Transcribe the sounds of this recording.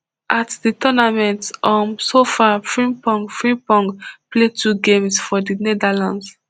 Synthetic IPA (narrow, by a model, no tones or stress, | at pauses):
ʔatditɔnamɛ̃ntʔɔ̃nsofafɹĩmpɔ̃ŋfɹĩpɔ̃ŋpletʰuɡẽmsfɔdinɛdalãnds